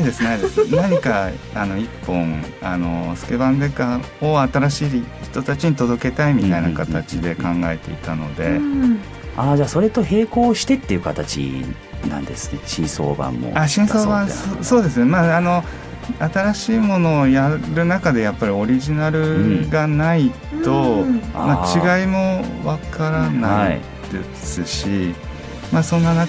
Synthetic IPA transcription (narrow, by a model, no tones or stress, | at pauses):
aid̪e̞sɨnaid̪sɨnaɲ̟ikaano̞ipːõ̞ŋano̞sɨ̥ke̞bãnd̪eka | oat̪aɾaɕiːçi̥t̪o̞t̪at͡ɕiɲ̟it̪o̞d̪o̞ke̞t̪aimʲit̪ainakat̪at͡ɕid̪e̞kãŋɡae̞t̪e̞̰it̪ano̞̰d̪e̞̰ | aːd͡ʑaːso̞ɾe̞t̪o̞he̞ːko̞ːɕi̥t̪e̞t̪ːeiɯ̟kat̪at͡ɕḭ | nã̰nd̪e̞sɨ̥neɕĩɰ̃so̰ːbã̰mːo̰aɕĩɰ̃soːbãsoso̞ːd̪e̞sɨnemaːno̞ | at̪aɾaɕiːmo̞no̞ːjaɾɯ̟nakad̪e̞japːaɾʲio̞ɾʲiʑinaɾɯ̟ɡanai | t̪o̞mat͡ɕiɡaimo̞βakaɾanai | d̪̥e̞ | sɨɕi | maːsõ̞nːana